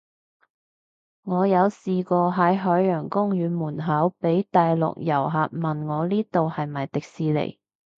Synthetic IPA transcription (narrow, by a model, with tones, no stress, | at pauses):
ŋɔː˨˧jɐ˨˧wsiː˨kɔː˧ɦɐ˨˥jɦœː˨˥jjœː˨˩ŋkʊ˥ŋjyː˨˧muː˨˩nɦɐ˨˥wpe˨˥jt̪aː˨jlʊ̰˨k̚jɐ̰˨˩wɦaː˨t̚mɐ˨nŋɔː˨˧liː˥t̪o˨whɐ˨jmɐ˨˩jt̪ɪ˨k̚siː˨˧lḛ˨˩j